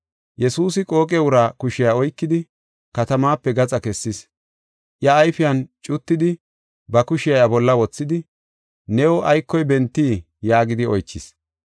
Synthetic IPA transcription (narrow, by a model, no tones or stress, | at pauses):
jɛsuːsɪkʼo̞ːkʼɛwʊɾaːkʊʃɪjaɔjkːɪd̪ɪ | kɐt̪ɐmaːpːɛɡɐt͡sʼɐkɛsːɪs | ʔjɐːjfɪjɐnt͡ʃʼʊt̪ːɪd̪ɪ | bɐkʊʃɪjɐjabɔlːɐwɔt͡sːɪd̪ɪ | nɛwɔʔɐjkːɔjbɛnt̪ːiː | jaːɡɪd̪ɪɔjt͡ʃːɪs